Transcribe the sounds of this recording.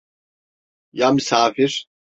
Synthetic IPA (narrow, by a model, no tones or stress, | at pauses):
jaːmysaːfiɾ